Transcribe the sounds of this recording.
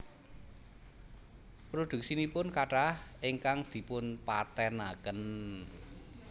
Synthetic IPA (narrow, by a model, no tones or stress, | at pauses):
pɾod̪̥ṳk̚sinipʊnkaʈahɪŋkaŋd̪̥i̤pʊnpa̰t̪ɛnakən